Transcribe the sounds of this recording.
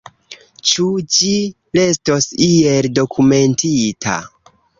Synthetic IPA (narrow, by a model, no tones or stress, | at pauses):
t͡ʃud͡ʒi | le̞sto̞sie̞ldo̞kʰume̞ntitʰa̰